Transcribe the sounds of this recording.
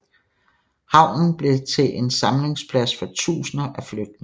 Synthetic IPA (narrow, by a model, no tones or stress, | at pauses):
hɑ̈ʊ̰nn̩b̥le̝t͡sʰe̝ʔensɑ̈mle̝ŋspʰlæsfɒ̽t͡sʰṵːsnɐʔæfløɡ̥̚d̥ne